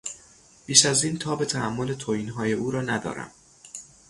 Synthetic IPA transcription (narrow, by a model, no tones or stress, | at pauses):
b̥iːʃæziːnt̪ʰɒːbe̞t̪ʰæhæmːo̞let̪ʰoiːnɦɒːje̞ʔuːɾɒːnæd̪ɒ̰ːɾæ̰m